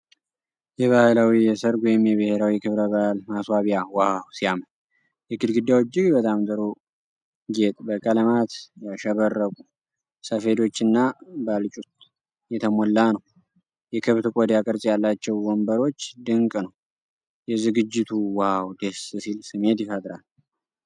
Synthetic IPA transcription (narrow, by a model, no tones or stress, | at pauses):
jɛβahlawijɛsəɾɡʷɔjɪmjɛβɨheɾawikʰɨβɾəβahlmaswaβijawahawsijamən | jɛɡɨd̪ɡɨd̪ːjawt͡ʃːɪɡbət̪ʼamzəɾo | ɡet̪ʼbəkʼələmat̪jaʃɛβərːəkʼu | səfe̞d̪o̞t͡ʃːɨnːabalt͡ʃʼut̪ | jɛt̪ʰəmolːanəw | jɛkʰɨβt̪kʼod̪jakʼəɾsʼjalːat͡ʃːɛwwɔmbəɾo̞t͡ʃːd̪ɨŋkʼnəw | jɛzɨɡɨd͡ʒːɪt̪ʰuwahawd̪essilsɨme̞t̪jɪfət̪ʼɾal